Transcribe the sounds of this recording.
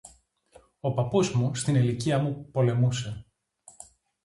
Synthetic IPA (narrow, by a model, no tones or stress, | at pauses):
o̞pɐpozmust̪iniliciɐmupo̞le̞muse̞